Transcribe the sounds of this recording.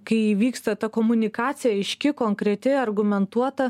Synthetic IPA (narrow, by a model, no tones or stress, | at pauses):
kɐɪʋʲiːkst̪ɐt̪ɐkoːmʊnʲɪkɑːt̪sʲɪjɛɪʃʲkʲɪkoːŋkɾʲɛt̪ʲɪɐrɡʊmʲɛnt̪uɔt̪ɐ